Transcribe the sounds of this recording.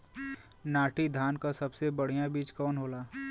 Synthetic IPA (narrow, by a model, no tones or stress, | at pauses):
naːʈid̪ʱaːnkasɐbsebəɽ̤ijãbiːt͡ʃkɔːnɦoːlaː